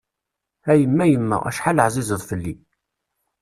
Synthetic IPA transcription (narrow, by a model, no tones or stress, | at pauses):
æjəmːæjəmːæ̰ʁæ̰ʃħaləʕzˤizˤəðˤfəlːḭ